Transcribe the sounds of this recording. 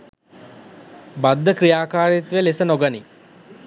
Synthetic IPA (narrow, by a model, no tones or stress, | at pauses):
bad̪ːəkɾijaːkaːɾit̪ʋelesənoɡani